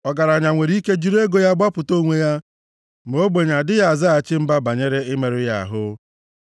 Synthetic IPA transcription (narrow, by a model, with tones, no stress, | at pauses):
ɔ˨ɡa˨ɾa˨ɲa˨ŋʷe˨ɾi˦ke˦d͡ʒi˦ɾe˦ɡo˦ja˦ɡ͡ba˦pʊ˨to˦ŋʷe˦ja˦ | m̩˨o˦ɡ͡be˨ɲa˨dɪ˦ja˦a˨za˦a˨t͡ʃɪ˦m̩˦ba˦ba˨ɲe˦ɾe˦ɪ˦me˨ɾɪ˦ja˦a̰˨ɦʊ˦